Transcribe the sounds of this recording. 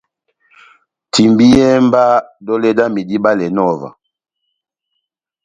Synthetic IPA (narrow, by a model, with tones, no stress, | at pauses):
ti˨mbi˦jjɛ˦m˦ba˦dɔ˦lɛ˦da˦mi˨di˦ba˦lɛ˨nɔ˦˨va̰˨